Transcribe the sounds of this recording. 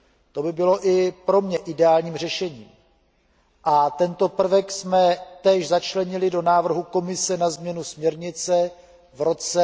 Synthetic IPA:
t̪o̞bɪbɪlo̞ʔɪpɾo̞mɲɛʔɪdɛaːlɲiːmr̝ɛʃɛɲḭːm | ʔat̪ɛnt̪o̞pr̩vɛksmɛt̪ɛːʃzat͡ʃlɛɲɪlɪdonaːvr̩ɦuko̞mɪsɛnazmɲɛnusmɲɛɾɲɪt͡sɛ | vɾo̞t͡sɛ

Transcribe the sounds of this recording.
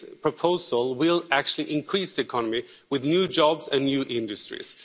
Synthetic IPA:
pʰɹ̥əpʰoʊzəl̩ˠwɪlæk̚t͡ʃʉl̩ˠiʔɪ̃nkʰɹ̥isðiɨkʰɑnəmi | wɪðnjuːd͡ʒɑbzɨ̃nːjuʔɪ̃ndɨstɹḭz̥

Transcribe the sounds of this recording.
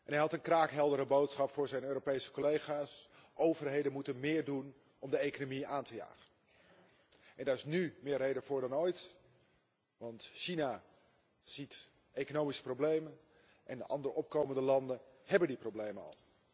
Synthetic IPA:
ʔɛnɦɛjɦɑtənkraːkɦɛlˠdəɾəbowtsχɑpfʊːɹzɛjnøːɾopejsə̥kolejχaːsʔowvərɦejdənmutənmɪːɹdun | ʔɔmdəejkonomiaːntəja̰ːχən | ʔɛndaːɹɪsnymɪːrːejdəvʊːɹdɑnoːjt | ʋɑntʃina | z̥it | ʔejkonowmisə̥problejmən | ʔɛndə̰ʔɑ̰ndəɾəʔɔp̚kowməndəlɑndənhɛbəndiprowblejməɑ̰lˠ

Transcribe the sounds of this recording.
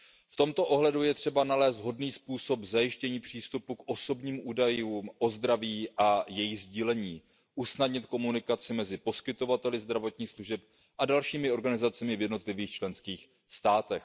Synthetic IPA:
ft̪o̞mt̪o̞ʔo̞ɦlɛdujɛt̪r̝̥ɛbanalɛːst̪ɦo̞dniːspuːso̞pzajɪʃcɛɲiːpr̝̥iːst̪upukʔo̞so̞bɲiːmʔuːdajuːmʔo̞zd̪ɾaviːʔajɛjɪɣzɟiːlɛɲiː | ʔusnadɲɪt̪ko̞munɪkat͡sɪmɛzɪpo̞skɪt̪o̞vat̪ɛlɪzd̪ɾavo̞t̪ɲiːxsluʒɛp̚ | ʔadalʃiːmɪo̞ɾɡanɪzat͡sɛmɪvjɛdno̞t̪lɪviːxt͡ʃlɛnskiːx | st̪aːt̪ɛx

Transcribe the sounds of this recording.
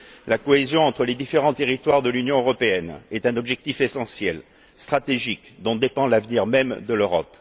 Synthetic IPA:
lakɔezjɔ̃ɑ̃t̪χəled̪ifeʁɑ̃t̪eʁit̪waʁd̪əlynjɔ̃øʁɔpeɛnɛt̪ɛ̃nɔbʒɛk̚t̪ifesɑ̃sjɛl | st̪χat̪eʒikd̪ɔ̃d̪epɑ̃lavniʁmɛmd̪əløʁɔp

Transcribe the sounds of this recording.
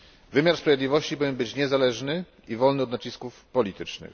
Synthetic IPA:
vɘmʲjaɾspɾavjed̪lʲivɔɕt͡ɕipɔvʲɛnbɘt͡ɕɲɛzalɛʐnɘ | ivɔlnɘɔd̪nat͡ɕiskufpɔlʲit̪ɘt͡ʂnɘ̰x

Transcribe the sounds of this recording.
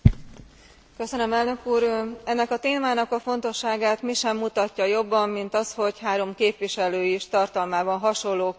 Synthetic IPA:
kø̞sønømɛlnø̞kuːɾɛnːɛkɒt̪eːmaːnɒkɒfo̞nt̪o̞ʃːaːɡaːt̪miʃɛmːut̪ɒcːɒjo̞bːɒmːint̪ɒsho̞chaːɾo̞mkeːpʋiʃɛløːiʃt̪ɒrt̪ɒlmaːbɒnɦɒʃo̞lːoː

